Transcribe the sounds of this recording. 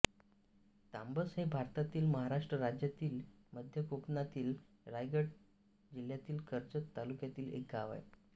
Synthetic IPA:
t̪ambəsɦebʱaɾt̪at̪iːlməɦaɾaʂʈɾəɾad͡ʑjat̪iːl | məd̪ʱjəkoknat̪iːl | ɾajɡəʈ̚ | d͡ʑil̤jat̪iːlkʰəɾt͡sət̪ːalukjat̪iːlḛkaːʋa̰j

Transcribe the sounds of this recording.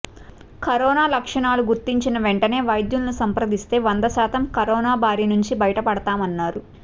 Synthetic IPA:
kɐɾɔːnaːlɐkʂɐɳaːluɡuɾt̪iɲt͡ʃinɐʋeɳʈɐne̞ːʋɐjd̪julnusɐmpɾɐd̪ist̪e̞ːʋɐnd̪ɐsaːt̪ɐmkɐɾɔːnaːbʱaːɾinuɲt͡ʃibɐjɐʈɐpɐɽɐt̪aːmɐnːaːɾu

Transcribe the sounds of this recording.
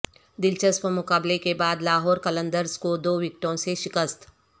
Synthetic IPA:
d̪ɪlt͡ʃəspəmʊkaːblekebaːd̪laːɦɔːɾkɐlə̃nd̪əɾskod̪oːʋɪk̚ʈõseʃɪkəst̪

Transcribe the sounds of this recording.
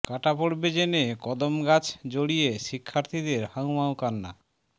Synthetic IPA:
kaʈapoɾbed͡ʑenekɔd̪omɡat͡ɕʰd͡ʑoɽijeʃikʰːaɾt̪ʰid̪eɾhawmawkanːa

